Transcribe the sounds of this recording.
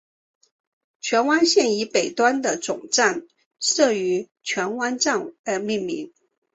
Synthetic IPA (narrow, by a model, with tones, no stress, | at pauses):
t͡ɕʰɥɛ˧˥nwa˥nɕjɛ˥˩ni˧˥pe˨˩ɪt̪wa˥nd̪ə˨t͡sʊ˨˩ŋʈ͡ʂa˥˩˧n | ʂɤ˥˩y˧˥ | t͡ɕʰɥɛ˧˥nwa˥nʈ͡ʂa˥˩nə˧˥mi˥˩nmi˧˥ŋ